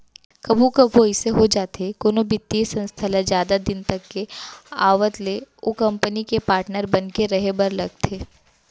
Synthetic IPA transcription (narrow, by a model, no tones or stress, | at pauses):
kɐbʱũkɐbʱʋoɪseɦod͡ʒaːt̪ekoːnobɪt̪ːiesɐ̃nst̪ʰalazjaːd̪ad̪ɪnt̪ɐkːeaːʋət̪leokɐ̃mpənikepaːɾʈnəɾbɐnkeɾɐɦebɐɾlɐɡ̚t̪ʰeː